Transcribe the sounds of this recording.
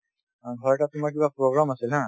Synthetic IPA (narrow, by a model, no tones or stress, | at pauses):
ãɡʱɔɾʈat̪umak̬ibapɾoɡɾamasilɦã